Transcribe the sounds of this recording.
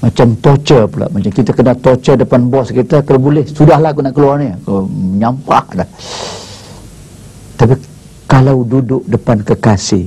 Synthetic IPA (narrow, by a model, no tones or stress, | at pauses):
mat͡ʃamt̪ot͡ʃərpula̰ʔmat͡ʃamkit̪akənat̪ɔt͡ʃədəpanbɔskit̪akalabolɛhsudaɦlaɡunaʔkəluarnikoəɲampahda | t̪api | kalawdudʊʔ̚dəpankəkasɪh